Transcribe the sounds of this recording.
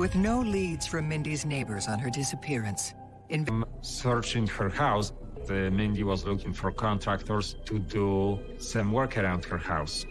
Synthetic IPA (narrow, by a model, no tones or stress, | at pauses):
wɪðnoʊlidz̥fə̃mɪ̃ndizneɪbə˞zn̩ə˞dɪsəpʰɪɹɨ̃ns | ɨ̃nvɛm | sɜɹt͡ʃɪ̃ŋhəɹhaws | ðəmɪ̃ndiwɔzlukɪ̃ŋfɔɹkʰɔ̃nt̪ʰɹak̚t̪əɹst̪ʰudu | sʌ̃mwɜɹkʰəɹãw̃ndhəɹhaws